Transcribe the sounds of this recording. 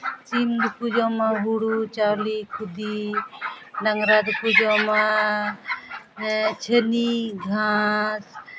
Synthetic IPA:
t͡ʃimd̪pud͡ʒomãbuɽut͡ʃaːlikʰud̪i | naŋɾad̪pud͡ʒomã | t͡ʃʰəniɡʱas

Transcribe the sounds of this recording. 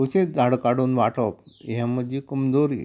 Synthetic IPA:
wsẽd͡zʱaɽkaɽuːnʋaʈʰɔpɛ̃məd͡ʑiːkəmd͡zoɾḭ

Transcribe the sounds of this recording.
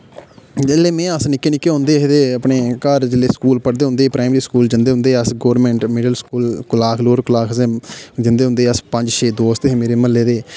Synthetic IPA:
d͡ʒelːeːmɛ̃ːəsnɪkːeːnɪkːeːɦõːnd̪eːɦd̪eːəpɳeːkəɾd͡ʒɪlːeːskuːlpəɽd̪eːɦʊ̃nd̪eːpɾaːɪmɾiːskuːld͡ʒɪnd̪eːɦʊ̃nd̪eːəsɡoːɾmɛ̃ːɳʈmɪɖəlskuːlkʊlaːkʰloːɾklaːkʰseːd͡ʒɪnd̪eːɦʊ̃nd̪eːəspə̃ɲd͡ʒʃeːd̪oːst̪eːmeːɾeːməlːeːd̪eː

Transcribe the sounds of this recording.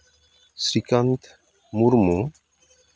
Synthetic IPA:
sɾikant̪ | muɾmu

